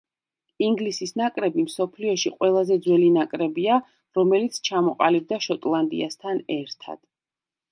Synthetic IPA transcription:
iŋɡlisisnakʼɾɛbimsɔpʰliɔʃiqʼwɛlˠazɛd̪zwɛlinakʼɾɛbia | ɾɔmɛlit̪sʰt͡ʃʰamɔqʼalib̚d̪aʃɔt̪ʼlˠand̪ḭast̪ʰanɛɾt̪ʰa̰d̪̥

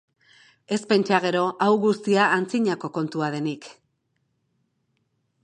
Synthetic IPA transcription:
e̞spe̞nt͡ʃaɣ̞e̞ɾo̞ʔawɣust̪iaːnt͡siɲako̞ko̞nt̪uað̞e̞nik

